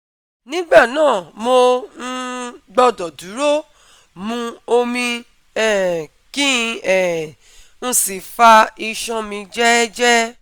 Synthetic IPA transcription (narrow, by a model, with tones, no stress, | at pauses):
nĩ˦ɡ͡ba˦˨nãː˦˨mo˧n̩˦ɡ͡bɔ˧dɔ˨du˨˦ɾo˦ | mũ˧o˧mĩ˧ | ɛ˦˨ | ki˦˧ɛ˨ | ñ̩˧si˨fa˧i˧ʃɔ̃˧mĩ˧d͡ʒɛ˦d͡ʒɛ˦